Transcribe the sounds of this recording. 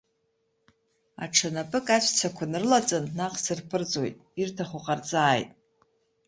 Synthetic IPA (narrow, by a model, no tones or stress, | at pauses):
a̰ʈ͡ʂʰanapʼɨkʼat͡ɕʷʰt͡sʰakʷʰanɨrlat͡sʼanːaqʼsɨrpʰɨrd͡zo̞jtʼirtʰaχʊqʼart͡sʼaːjtʼ